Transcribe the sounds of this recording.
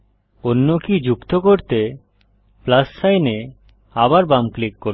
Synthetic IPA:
onːokid͡ʑukt̪okoɾt̪e | plassajne | abaɾbamklikːo

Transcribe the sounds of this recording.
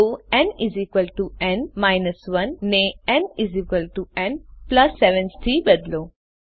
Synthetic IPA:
uɛ̃nizikʋəlʈuɛ̃nmaɪnəsʋɐnːeɛ̃nizikʋəlʈuɛ̃ɳɖplɐsːɛʋə̃nsʈ̪ʰiːbəd̪loː

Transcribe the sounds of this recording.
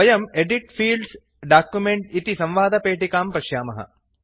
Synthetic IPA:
ɐjɐmeɖiʈfiːlɖs | ɖaːkjumeɳʈ̚it̪isɐ̃mʋaːd̪ʱɐpeːʈikaːmpɐʃjaːmɐ̰ɦɐ̰

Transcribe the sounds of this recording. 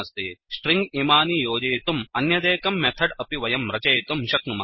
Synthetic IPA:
ɐst̪eːʃʈɾiŋɡiːmaːnijoːd͡ʒeːt̪umɐnjɐd̪eːkɐmːɛt̪ʰɐɖɐpiʋɐjɐmɾɐt͡ʃɐjt̪umʃɐknuma

